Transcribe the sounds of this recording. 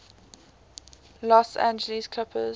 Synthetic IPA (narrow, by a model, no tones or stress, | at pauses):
lɔsæ̰̃nd͡ʒəliskʰl̥apʰəz